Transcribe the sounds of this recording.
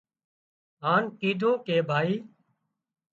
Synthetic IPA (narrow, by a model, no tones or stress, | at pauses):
ɦaːnkiːɖʱõːkeːbʱaːiː